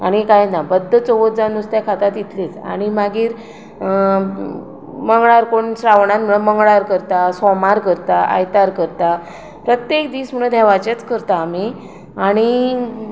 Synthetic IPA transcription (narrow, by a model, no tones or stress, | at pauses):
aɽ̃ikajnabəd̪ʱːət͡soʋod͡zanust̪jakʰat̪at̪it̪ʰlit͡sa̰ɽ̃imaɡiːɾ | məŋɡɭaɾkoɳsɾaʋɳat̪m̤əɭəməŋɡɭaɾkəɾt̪asɔmaɾkəɾt̪aʔa̰jt̪aɾkəɾt̪a | pɾət̪jekd̪iːsm̤əɭə̃d̪ʱɛʋat͡ɕet͡skəɾt̪aːmi | aɽ̃i